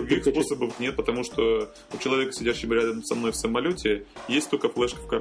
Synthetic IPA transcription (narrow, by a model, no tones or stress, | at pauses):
ɾʊɡʲixsposəbəfnʲet̪̚pət̪ɐmuʂt̪o | ʊt͡ɕɪlˠɐvʲe̞kə̥sʲɪdʲæɕːɪməɾʲad̪əmsɐmno̞jfsəmːɐlʲotʲɪjesʲt̪ʲt̪olʲkəflˠɛʂkə̥fkɐɾ